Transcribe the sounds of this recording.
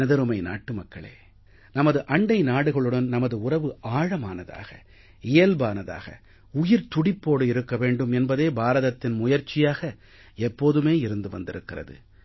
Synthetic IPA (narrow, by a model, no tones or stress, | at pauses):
ɐðɐɾɯmɐɪna̰ːʈːɯmɐkːɐɭḛː | nɐmɐðɯʔɐɳɖɐɪnaːɽɯɣɐɭɯɽɐnnɐmɐðɯʊrɐʋɯʔaːɻɐmaːnɐða̰ːɣɐ̰ | ɪjɐlbaːnɐða̰ːɣɐ̰ | ʊjɪɾt̪ʊɽɪpːoːɽɯɪɾɯkːɐʋeːɳɖɯmɛnbɐðeːbaːɾɐðɐt̪ːɪnmʊjɐɾt͡ʃɪjaːɣɐ | ɛpːoːðɯmeːɪɾɯnd̪ɯʋɐ̰nd̪ɪɾɯkːɪrɐ̰ðɯ̰